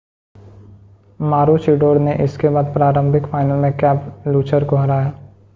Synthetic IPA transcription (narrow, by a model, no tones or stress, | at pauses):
maːɾoːt͡ʃiːɖoːɾneʔɪskebaːd̪̚pɾaːɾə̃mbʱɪkfaːɪnəlmẽkɛːpluːt͡ʃəɾkoɦɐɾaːjaː